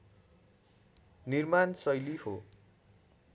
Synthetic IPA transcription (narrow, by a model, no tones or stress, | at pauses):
nirmansʌjliho